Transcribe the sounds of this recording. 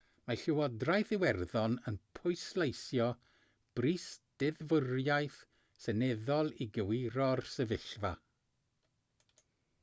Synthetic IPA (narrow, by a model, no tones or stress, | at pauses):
maɬɪwɔdrajθɪwɛrðɔnənpʰʊjslˠejsjɔ | b̥riːsd̥ɪðvərjajθ | sənɛðɔlˠiɡəwiɾɔrsəvɪɬva̰